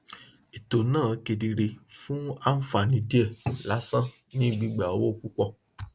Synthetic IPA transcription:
e˨to˨nãː˦˨ke˧di˧ɾe˧fũ˦a˦n̩˦fa˨nĩ˧˦di˦ɛ˦˨la˨˦sã˦ | nĩ˦ɡ͡bi˧ɡ͡ba˨o˨wo˦˨ku˦kɔ˦˨

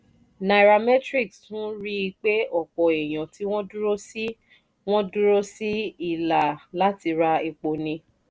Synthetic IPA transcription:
na˨ɾa˨mɛ˦tɾi˦˨kstũ˦ɾi˦i˧k͡pe˦ʔɔ˦˨kɔ˨e˨j̃ã˨ti˨˦w̃ɔ̃˦du˦ɾo˦si˦ | w̃ɔ̃˦du˦ɾo˦si˦i˦˨la˨la˦ti˧ɾa˧i˧k͡po˨nĩ˧

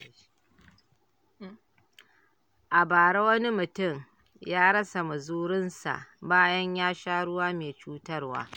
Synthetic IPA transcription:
ʔa˨baː˨ɽe˦wɐ˦ni˦mʊ˨tʊ˦˨m | jaː˦ɽɐ˦sa˨mɐ˨zuː˦ɽɪ˦nsa̰˨ʔbaː˦jɐ˦ɲjaː˦ʃaː˦ɽʊ˦waː˦meː˨t͡ʃuː˦tɐ˦rwa̰ː˦

